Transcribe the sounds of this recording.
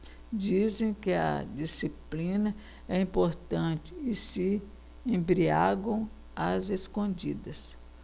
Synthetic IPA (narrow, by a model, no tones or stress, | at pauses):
d͡ʒizẽj̃kɪɐ̰d͡ʒisiplĩnɐ | ɛĩpoɾt̪ɐ̃t͡ʃɪ̥ːsɪ | ẽmbɾiaɡɐ̃w̃ | azeskõd͡ʒid̪ɐs